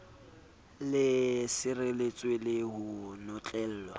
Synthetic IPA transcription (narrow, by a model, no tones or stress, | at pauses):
lɪsɪrɪlet͡sʼwelɪɦʊnɔt͡ɬʼɛl̩ːlwa